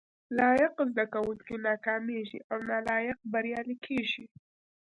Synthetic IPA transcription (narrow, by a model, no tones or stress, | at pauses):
lɑjɪqzd̪akawəlkenɑkɑmeʒḭʔawnalɑjɪq̚baɾjɑlikʰeʒi